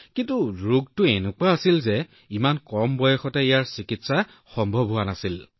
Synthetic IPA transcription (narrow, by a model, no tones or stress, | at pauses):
kintuɹuɡ̚tʊenʊkwaːsilzɛ | imankɔmbɔjɔxɔtɛijaɹsikitsa | xɔmbʱɔbʱɦuanasil